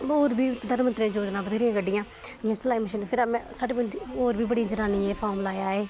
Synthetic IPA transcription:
oːɾbiːpʊd̪aːnmənt̪ɾãːd͡ʒoːd͡ʒnãːbəd̪ʱeːɾɪjãːɡəɖːɪjãː | d͡ʒɪjãːsəlaːiːməʃiːnpʰɪɾmɛ̃ːsaːɖeːbənd͡ʒioːɾbiːbəɽiːd͡ʒəɾaːniːɛːpʰaːɾmlaːjaːeː

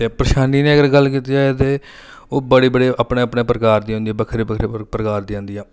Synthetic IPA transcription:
t̪eːpɾəʃaːniːneːəɡəɾɡəlk̬iːt̪iːaːeːt̪eː | oːbəɽiːbəɽeːəpɳeːəpɳeːpɾəkaːɾd̪iːõːnd̪iːɛːbəkʰɾeːbəkʰɾepɾəkaːɾd̪iːãːnd̪iːãː

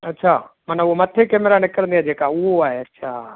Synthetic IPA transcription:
ətːʃʰamənãʊɦomət̪ʰekeːmeɾanɪkəɾə̃nd̪iaːɦd͡ʒeːkaʊɦoaːɦeətːʃʰa

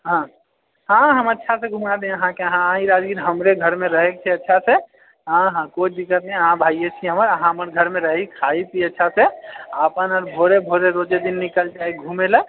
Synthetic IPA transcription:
ɦã | ɦãɦəmətːʃʰasẽɡʱũmad̪eəɦãkeəɦããiɾad͡ʒɡiɾɦəmɾeɡʱəɾmẽɾəɦek̚t͡ʃʰɛətːʃʰase | ɦãɦãkot͡ʃʰd̪ikːət̪nɛ̃əɦãbʱaijet͡ʃʰiɦəməɾəɦãɦəməɾɡʱəɾmẽɾəɦikʰait̪ʰiətːʃʰaseapənɔɾbʱoɾebʱoɾeɾod͡ʒed̪inːikəld͡ʒaːeɡʱumele

